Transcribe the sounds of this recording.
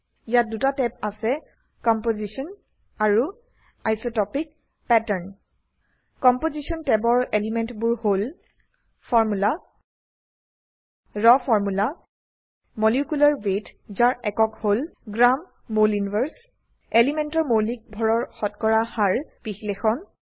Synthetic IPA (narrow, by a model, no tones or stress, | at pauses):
ijat̚dutatɛp̚asɛ | kɔmpozisɔn | aɹu | ajsotɔpik̚ | pɛtəɹn | kɔmpozisɔntɛbɔɹelimɛntbʊɹhol | fʰɔɹmula | ɹɔfʰɔɹmula | mɔliukulaɹwetzaɹɛkɔkholɡɹamː | oljunbəɹs | elimɛntɔɹmolik̚bʱɔɹɔɹxɔtkɔɹahaɹpixlexɔn